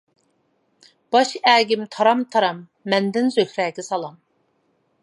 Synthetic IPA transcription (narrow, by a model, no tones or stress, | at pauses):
b̥ɑʃæːɡʲɪmt̪ʰɑɾɑmt̪ʰɑɾɑmː | ɛnd̪ɪnzøhʲɾɛːɡʲɛsɑlˠɑm